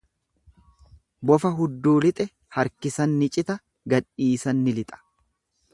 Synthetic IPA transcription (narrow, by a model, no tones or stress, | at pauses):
bɔfɐɦʊd̪ːuːlɪt̪ʼɛ | hɐɾkɪsɐnːɪt͡ʃʼɪt̪ɐ | ɡɐᶑiːsɐnːɪlɪt̪ʼɐ̥